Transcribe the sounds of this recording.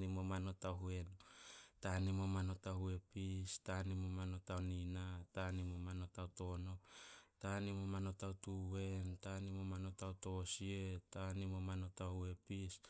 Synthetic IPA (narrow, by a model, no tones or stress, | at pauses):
imo̞mano̞taɦue̞ntanimo̞mano̞tahue̞pistanimo̞mano̞tawninatanimomano̞tawto̞no̞tanimo̞mano̞tawtue̞ntanimo̞mano̞tawto̞sietanimo̞mano̞tahue̞pis